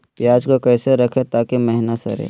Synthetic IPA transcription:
jaːd͡ʒkakɛːseɾɐkʰet̪aːkemɛɦnasɐ̰ɾḛː

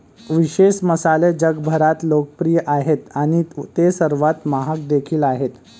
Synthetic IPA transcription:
ʋiɕeɕməsaled͡ʑəɡbʱəɾat̪lokəpɾijəʔaɦet̪aɽ̃it̪esəɾʋat̪maɦak̚d̪ekʰiːlaɦet̪

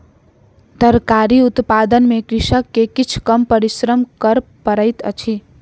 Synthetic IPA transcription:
d̪əɾkaɾiut̪pad̪ənmekɾɪʃəkːekit͡ʃʰkəmpəɾisɾəmkəɾpəɾəjt̪ə̰t͡ʃʰi

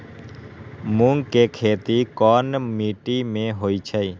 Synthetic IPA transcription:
mũŋɡkekʰeːt̪ikɔːnmiːʈimẽɦoːit͡ʃʰə

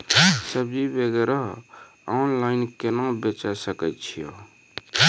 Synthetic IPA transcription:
səbibeɡeɾaɦ | ɔnlainkenaũbet͡ʃɛsəkɛt̪t͡ʃʰijo̰

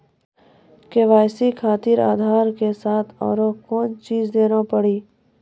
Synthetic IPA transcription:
keʋaːjsikʰaːt̪iɾa̰ːd̪ʱaːɾkesaːt̪ʰɔ̰ːɾokɔːnt͡ʃiːd͡ʒd̪eːnapəɽiː

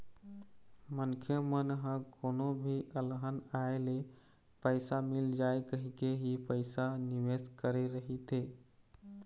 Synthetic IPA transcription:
məŋkʰjəmənɦə̃kʰonobʱiʔəlɦənaele | pəjsamild͡ʒaekəɦikeɦipəjsaniʋeskəɾeɾəɦit̪e

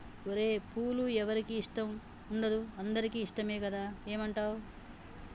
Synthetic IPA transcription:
oɾe̞ːpʰuːluɛʋɐɾikiːʂʈɐm | uɳɖɐd̪uɐnd̪ɐɾikiːʂʈɐme̞ːkɐd̪aːe̞ːmɐɳʈaːo

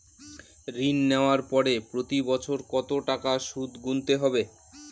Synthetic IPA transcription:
ɾinːeoaɾpɔɾepɾot̪ibɔt͡ɕʰoɾkɔt̪oʈakaʃud̪ɡunt̪eɦɔbe

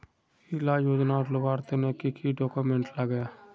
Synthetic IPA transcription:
ilajoːd͡ʒnaɾlʊbaːɾt̪enekikʰiɖoːkomẽɳʈləɡe

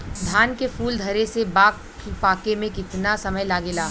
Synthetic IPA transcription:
d̪ʱaːnkefuːld̪ʱɐɾesebaːk | paːkemẽkɪt̪nasɐməjlaːɡeːlaː

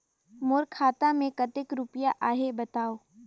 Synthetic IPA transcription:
mʊɾkʰaːt̪amẽkɐt̪ɪkɾʊpəjaʔaːɦebɐt̪aːoː

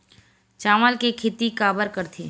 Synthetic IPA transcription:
t͡ʃaːməlkekʰɪt̪ikaːbəɾkəɾt̪ʰi

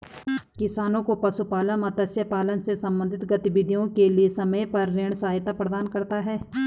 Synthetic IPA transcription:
kɪsaːnõkopɐsupaːlənmat̪əsjəpaːlənsesɐ̃mbə̃nd̪ʱɪt̪ɡɐt̪ɪbɪd̪ʱijõkeliesɐməjpɐɾːeːɳ̃saːjt̪apɾəd̪aːnkɐɾt̪aɦɛː

